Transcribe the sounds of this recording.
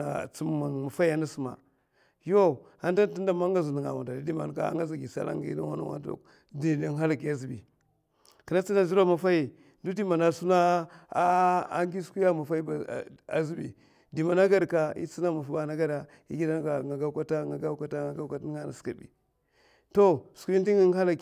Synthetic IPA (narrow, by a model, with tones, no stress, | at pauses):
a˨t͡si˦m˦ma˨nma˨fa˦i˦a˨˦na˦su˦ma̰˨ | jo˦ | a˦n˦da˦n˦ti˦nda˦ma˦ŋɡa˦zu˨ni˨ŋa̰˨wa˨nda˨di˦di˦ma̰˨n˨ka̰˦a̰˦ŋɡa˦za˨ɡi˨sa̰˦la̰˦ŋɡa˦na̰˦wa̰˦na̰˦wa̰˦n˦o̰˨k | di˨i˨nɦa˦la˨ki˨a˦zi˨bḭ˨ | ki˨na˦t͡si˦na˦zi˦ɾa˦ma˨fa˦ji˨ | ndu˦di˦ma˨na˨su˦na˦ | a˦ŋɡi˦sku˦ja˦ma˨fa˦i˦ba˨a̰˨zi˦bḭ˨ | di˨ma˨na˦ɡa˦ɾka˨ḭ˦t͡si˦na˦ma˨fa˦ba˨na˦ɡa˦ɾa˨ | i˦ɡi˦da˦n˦ɡa˨ŋa˨ɡa˦kʷa˦ta˦ŋa˨ɡa˦ka˦ta˦ŋa˨ɡa˦ka˦ta˦na̰˨ska˨bḭ˨ | to˦sku˦i˦n˦i˦ŋi˦n˦ha˦la˨k